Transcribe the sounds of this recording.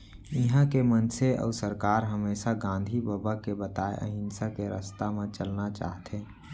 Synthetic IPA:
ɪɦãkemənseɔ̰ːsəɾkaːɾɦəmeːsaɡãːnd̪ʱibəbakebət̪aːḛʔə̰ɦɪ̃nsakeɾə̰st̪amẽt͡ʃəlnat͡ʃa̰ːɦt̪ẽː

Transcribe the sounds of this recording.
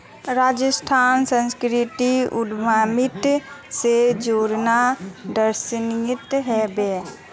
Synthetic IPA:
ɾaːd͡ʒəsʈʰaːnsə̃nskɾɪt̪iʊd̪maːmɪt̪sed͡ʒoːɾnad̪əɾsnijɪt̪ɦɛbɛː

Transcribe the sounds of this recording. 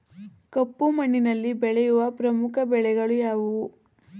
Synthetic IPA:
kɐpːumɐɳːinɐlːibɛɭɛjuʋɐpɾɐmukʰɐbɛɭɛɡɐɭujaːʋuʋu

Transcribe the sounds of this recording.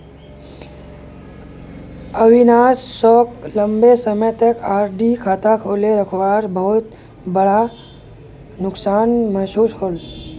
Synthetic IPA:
əʋinaːsːɔːkləmbesəmət̪əkaːɾɖikʰaːt̪akʰoːleɾəkʰʋaːɾbəɦʊt̪ | bəɽa | nʊksaːnməɦsuːskʰoːl

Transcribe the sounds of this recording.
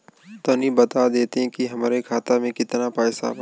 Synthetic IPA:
t̪ɐnĩbɐt̪ad̪eːt̪eɦɛ̃kiɦɐmːɾekʰaːt̪amẽkɪt̪napɛːsa̰

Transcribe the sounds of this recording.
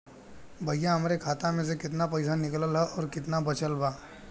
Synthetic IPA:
bʱɐjaɦɐmɾekʰaːt̪ãmẽs̬ekɪt̪napɐɪsanɪkləlɦɛʔɔːɾkɪt̪nabɐt͡ʃəlbaː

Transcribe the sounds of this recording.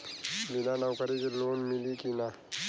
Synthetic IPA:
milaːnawkɐɾikiloːnmilikina

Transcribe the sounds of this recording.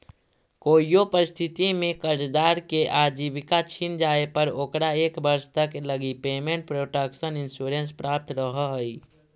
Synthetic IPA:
koːijopəɾɪst̪ʰɪt̪imẽkəɾd͡ʒd̪aːɾkeʔad͡ʒibɪkat͡ʃʰind͡ʒaːepəɾokɾaeːkbəɾst̪əkləɡipeːmẽɳʈ̚pɾoːʈəkʃənɪnsuɾenspɾaːp̚t̪ɾəɦəɦəi

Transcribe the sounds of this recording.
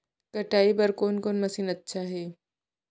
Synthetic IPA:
kɐʈaːibɐɾkoːnkoːnmɐsiːnɐtːʃʰaɦɛː

